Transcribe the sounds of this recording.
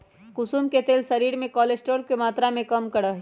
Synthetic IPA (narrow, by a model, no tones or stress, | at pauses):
kʊsuːmket̪eːlsɐɾiːɾmẽkɔːlesʈoːɾkemaːt̪ɾamẽkɐmkɐɽaɦɛ